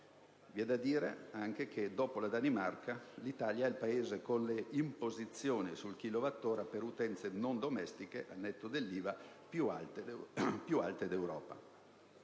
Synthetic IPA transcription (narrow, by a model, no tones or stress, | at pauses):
viɛd̪ːad̪iːɾḛaŋk̟ek̟ʰed̪ɔːpolad̪animarkalit̪aːljaɛilpaeːzekonleimpozit̪sːjoːnisulk̟ilovat̪ːoːɾapeɾut̪ɛnt̪senond̪omɛst̪ikeʔa̰lnɛt̪ːod̪elːiːva | pjualt̪pjua̰lt̪ed̪ewɾɔːpa̰